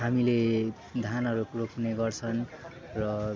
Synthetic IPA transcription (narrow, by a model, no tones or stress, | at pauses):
ɦamile | d̪ʱanʌɾukrokʰneɡʌrt͡sʰʌn | rʌ